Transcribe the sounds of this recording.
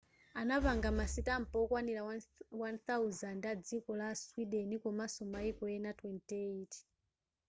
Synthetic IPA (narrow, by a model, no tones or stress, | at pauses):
anaβaŋɡamasitam̩pɔɔkwaniɾawanθauzandad͡zikɔlaswiɗɛnikɔmasɔmaikɔɛnatwɛntɛit